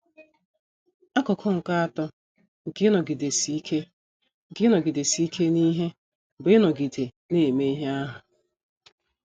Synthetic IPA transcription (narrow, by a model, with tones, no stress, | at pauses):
a˦kɔ˨kʰɔ˦ŋ̩˨ka˦a˦˨tɔ˦ | ŋ̩˨kɪ˦nɔ˨ɡi˨de˨si˦kʰe˦ | ŋ̩˨kɪ˦nɔ˨ɡi˨de˨si˦i˦kʰe˦ni˦ɦe˦˨ | bɪ˦nɔ˨ɡi˨de˨ | ne˦˨me˦i˦ɦe˦a˦ɦʊ˨